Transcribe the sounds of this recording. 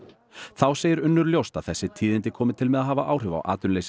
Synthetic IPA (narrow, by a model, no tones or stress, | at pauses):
θawseːjɪɾʏnːʏɾljowst̪aðθɛsːɪt̪ʰiːðɪnt̪ɪkʰɔːmɪt̪ʰɪlmɛðaðɦaːvaʔaːwr̥ʏva̰wʔa̰ːt̪ʏnlejs